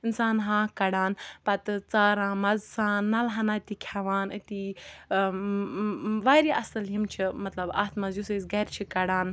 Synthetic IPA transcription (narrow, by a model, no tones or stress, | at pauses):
insaːnɦãːkɐɽaːnpɐt̪ɨt͡saːɾãːmɐzsaːnːɐlɦɐnaːt̪ikʲʰaʋaːnɨt̪i | ʋaːɾiʔɐsɨljimt͡ʃʰimɐt̪lɐba̰ːt̪ʰmɐzjusɨzɡɐɾʲt͡ʃʰikɐɽaːn